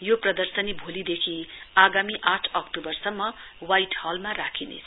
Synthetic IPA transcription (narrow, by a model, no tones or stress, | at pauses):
joprʌd̪ʌrsʌnibʱolid̪ekʰiaɡamiʔaʈʰʌkʈobʌrsʌmːʌ | wajʈhʌlmarakʰinḛt͡sʰ